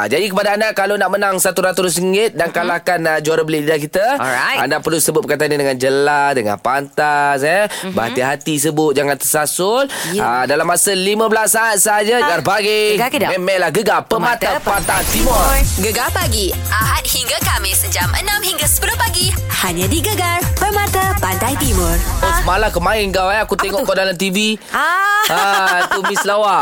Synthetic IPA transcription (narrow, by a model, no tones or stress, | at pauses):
ʔa̰d͡ʒadikəpadaːndakalonaʔmənaŋsat̪uɾat̪uɾʊs̬əŋɪt̪̚daŋkalahkanəd͡ʒuaɾəbəlɪdidakit̪əa̰ndapərlusəbʊt̪̚bəkajt̪anadəŋand͡ʒəlasdəŋa̰npant̪asɛbəha̰t̪iɦat̪is̬əbʊt̪̚d͡ʒaŋant̪ərsasʊladalamːasəlimə̃bəlasːaːt̪̚səɦad͡ʒad͡ʒarpaɡɪdmɛmɛlahɡəɡapəmat̪apant̪aant̪imɔɡəɡapaɡi | aɦat̪̚hiŋɡakamɪsəd͡ʒamʔə̰nãmhiŋɡasə̥pəlʊpaɡi | haɲãdiɡəɡarpəmat̪apandajt̪imɔromalakəmaɪnɡawɛakut̪ɛŋɔʔkɔdalamt̪ivi | aat̪umislawa